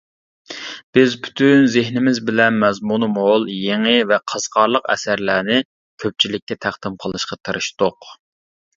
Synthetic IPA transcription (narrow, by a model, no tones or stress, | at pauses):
b̥ɪzpʰy̥t̪ʰynzɪɦnɪmɪzbɪlɛnmɛzmunɨmolˠjeŋɪvɛqʰɑz̥qʰɑɾlˠəqɛ̰sæɾlæːnɪ | kʲʰøp̚t͡ʃʰilɪk̚ʲːɛt̪ʰæχd̪̥ɪmqʰəlˠɨʃqɑt̪ʰɨɾɨʃt̪oq